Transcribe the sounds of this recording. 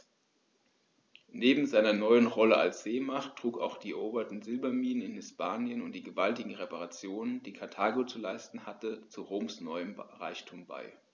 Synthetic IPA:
neːbm̩zaɪnɐnɔʏənʁɔləʔa̰lsz̥eːmaχtʁ̥uːka̰ʊxd̥iːʔoːbɐtn̩zɪlbɐmiːnənɪnhɪspʰaːnjənʊntd̥iːɡəvaltɪɡŋ̩ʁepaʁat͡sjoːnənd̥iːkʰaɐtʰaːɡot͡sulaɪstn̩hatət͡suʁoːmsnɔʏəmʁaɪçtʰuːmba̰ɪ

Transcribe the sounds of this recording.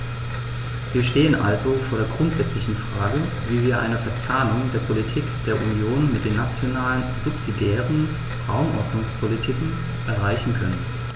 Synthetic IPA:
viːɐʃteːənʔa̰lzofoːɐɾeːɐɡʁʊntz̥ɛt͡slɪçn̩fʁ̥aːɡə | viːviːɐʔa̰ɪnəfɛɐt͡saːnʊŋdeːɐpʰolitʰiːkd̥eːɐʔunjoːnmɪt̚d̥eːnːat͡sjonaːlənzʊpz̥idjɛːʁən̩ | ʁaʊmʔɔ̰ɐdnʊŋspʰolitʰɪkŋ̩ | ʔɛɐʁaɪçn̩kʰœnən

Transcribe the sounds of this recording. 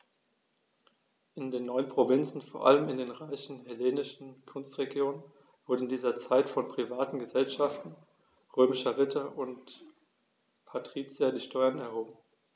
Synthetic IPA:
ʔɪndeːnːɔʏənpʁ̥ovɪnt͡sn̩foːɐʔa̰ləmɪndeːnʁaɪçn̩hɛleːnɪʃn̩kʰʊnstʁ̥eɡjoːnən | v̥ʊɐdn̩n̩diːzɐt͡saɪtfɔnpʁ̥ivaːtn̩ɡəzɛlʃaftn̩ | ʁøːmɪʃɐʁɪtʰɐʔʊnt | pʰatʁ̥iːt͡sjadiːʃtɔʏɐnɛɐhoːbm̩

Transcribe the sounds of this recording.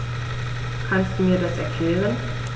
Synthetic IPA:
kʰanstd̥uːmiːɐdasʔɛ̰ɐkʰl̥ɛːʁən

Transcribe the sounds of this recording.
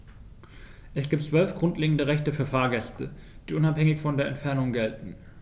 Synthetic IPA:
ʔɛsɡ̥iːptt͡sv̥œlfɡ̥ʁʊntleːɡŋ̩dəʁɛçtəfyːɐfaːɐɡɛstə̰ | d̥iːʔʊnaphɛŋɪçfɔndeːɐʔɛ̰ntfɛɐnʊŋɡɛltn̩

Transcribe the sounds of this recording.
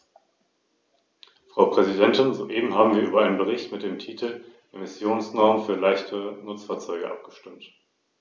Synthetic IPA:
fʁ̥aʊpʁ̥ɛzidɛntɪnzo̰ːʔeːbm̩ɦaːbm̩viːɐʔyːbɐʔaɪnənbəʁɪçtmɪt̚d̥eːmtʰiːtʰl̩ʔemɪsjoːnsnɔɐmənfyːɐlaɪçtʰənʊt͡sfaːɐt͡sɔʏɡəʔa̰p̚ɡ̥ə̥ʃtɪmt

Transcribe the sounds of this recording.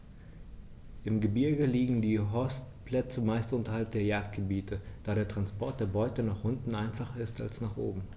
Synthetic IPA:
ʔɪmɡəbɪɐɡəliːɡŋ̩diːɦɔstpl̥ɛt͡səmaɪstʔʊntɐhalp̚d̥eːɐjaːk̚t̚ɡ̥əbiːtʰəd̥aːɾeːɐtʁ̥anspɔɐt̚d̥eːɐbɔʏtənaːχʔʊntn̩aɪnfaχɐɪsta̰lsnaːχʔo̰ːbm̩

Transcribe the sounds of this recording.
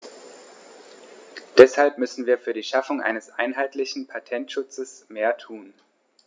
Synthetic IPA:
d̥ɛshalpmʏsn̩viːɐfyːɐdiːʃafʊŋʔa̰ɪnəsʔa̰ɪnɦaɪtlɪçn̩pʰatʰɛntʃʊt͡səsmeːɐtʰuːn

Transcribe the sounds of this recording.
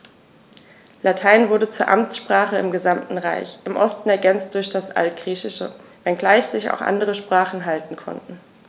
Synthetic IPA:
latʰaɪnvʊɐdət͡suːɐʔamt͡sʃpʁ̥aːχəɪmɡəzamtn̩ʁa̰ɪçʔɪmʔɔstn̩ɛɐɡɛnt͡st̚d̥ʊɐçd̥asʔa̰ltɡ̥ʁiːçɪʃə̰ | vɛnɡlaɪçz̥ɪça̰ʊxʔa̰ndəʁəʃpʁ̥aːχn̩ɦaltn̩kʰɔ̰ntn̩

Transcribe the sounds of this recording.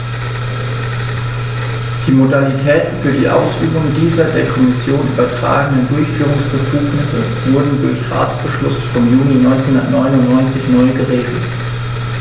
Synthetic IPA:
d̥iːmodalitʰɛːtn̩fyːɐdḭːʔa̰ʊsʔy̰ːbʊŋdiːzɐdeːɐkʰɔmɪsjoːnʔyːbɐtʁ̥a̰ːɡənəndʊɐçfyːʁ̞ʊŋsb̥əfuːknɪsə | v̥ʊɐdn̩dʊɐçʁa̰ːt͡sb̥əʃlʊ̰sfɔmjuːninɔʏnt͡senhʊndɐ̰tnɔʏnʊntnːɔʏnt͡sɪçnɔʏəɡəʁeːɡl̩t

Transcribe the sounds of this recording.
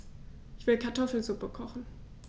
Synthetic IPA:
ʔɪçv̥ɪlkʰaɐtʰɔfl̩zʊpəkʰɔχn̩

